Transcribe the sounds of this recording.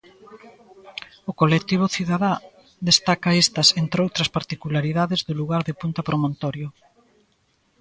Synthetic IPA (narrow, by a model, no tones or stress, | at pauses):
okolet̪iβ̞ʊθiðaða | ðest̪akɐest̪ɐsent̪ɾeowt̪ɾɐspaɾt̪ikulaɾiðaðezðʊluɣaɾðepunt̪ɐpɾomõnt̪ɔɾjo